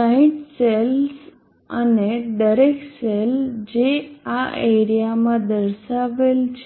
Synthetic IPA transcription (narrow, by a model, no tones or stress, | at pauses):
saĩʈsels | ə̰neɖəɾekseld͡ʒeaʔeɾijamãd̪əɾʃaʋelt͡ʃʰ